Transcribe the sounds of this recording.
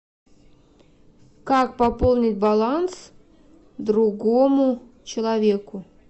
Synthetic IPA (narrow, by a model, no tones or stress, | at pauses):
kak̚pɐpolˠnʲɪtʲbɐlˠans | d̪ɾuɡomʊt͡ɕɪlˠɐvʲekʊ